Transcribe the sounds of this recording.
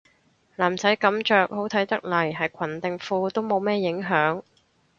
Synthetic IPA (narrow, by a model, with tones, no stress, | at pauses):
laː˨˩mt͡sɐ˨˥jkɐ˨˥mt͡ʃœː˨k̚ho˨˥wt̪ʰɐ˨˥jt̪ɐ˥k̚lɐ˨˩jɦɐ˨jkʷʰɐ˨˩nt̪ɪ˨ŋfuː˧t̪o˥wmo˨˧wmɛː˥jɪ˨˥ŋɦœː˨˥ŋ